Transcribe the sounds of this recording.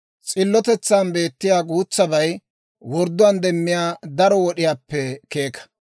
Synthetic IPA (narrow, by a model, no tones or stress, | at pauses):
t͡sʼɪlːɔt̪ɛt͡sːaːnbe̞ːt̪ːɪjaːɡuːt͡sːɐbɐj | wɔɾd̪ʊwand̪ɛmːɪjaːd̪ɐɾɔwɔɗɪjaːpːɛke̞ːkɐ̥